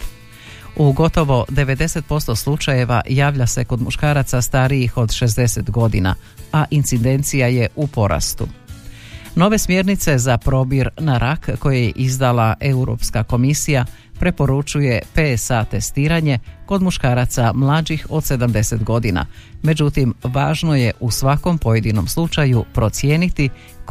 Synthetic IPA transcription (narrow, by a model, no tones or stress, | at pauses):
uɡo̞t̪o̞ʋo̞d̪e̞ʋe̞d̪e̞se̞t̪̚po̞st̪o̞slˠut͡ʃaje̞ʋa̰jaːʋʎase̞ko̞d̪muʃkaːɾat̪sast̪aɾijixo̞d̪ʃe̞zd̪e̞se̞t̪ɡo̞d̪ḭna̰ | aʔint̪sid̪e̞nt̪sijaje̞ʔupo̞ɾʔa̰st̪ṵ | no̞ʋe̞smje̞ɾnit̪se̞zapɾo̞biɾnaɾʔakko̞jejḛʔizd̪alaʔe̞uɾo̰pskako̞misija | pɾe̞po̞ɾut͡ʃuje̞pesat̪e̞st̪iːɾaɲe̞ko̞d̪muʃkaːɾat̪samlˠad͡ʒixo̞d̪̥se̞d̪amd̪e̞se̞t̪ɡo̞d̪ina̰me̞d͡ʑut̪imʋaːʒno̞je̞ʔusʋako̞mpo̞je̞d̪ino̞mslˠut͡ʃajupɾo̞t̪sjeːnit̪i